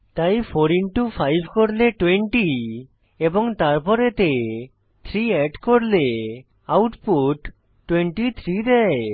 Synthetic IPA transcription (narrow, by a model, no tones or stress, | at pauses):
t̪ajfʰoɾiɳʈufʰajbʱkoɾleʈweɳʈi | eboŋt̪aɾpɔɾet̪e | t̪ʰɾiɛɖkoɾle | awʈpuʈː | weɳʈit̪ʰɾid̪ɛe